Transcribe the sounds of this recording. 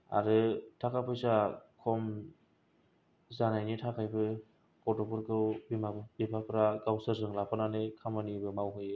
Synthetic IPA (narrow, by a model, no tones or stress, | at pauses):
a̰ɾɯtʰakapʰɯjsakʰɔm | zanajnitʰakʰajbɯ | kɔtɔpɔɾɡɯwbimabbipʰapʰɾaɡawsɯɾzɯŋlapʰananɯkʰamanibɯmawɦɯjɯ